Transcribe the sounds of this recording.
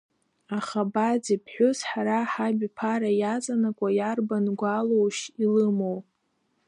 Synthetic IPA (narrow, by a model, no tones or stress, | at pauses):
aχabad͡zipʰħʷᶣʊsħaɾaħabʲpʰaɾajat͡sʼanakʷʼajarbanɡʷalowʃilɨmow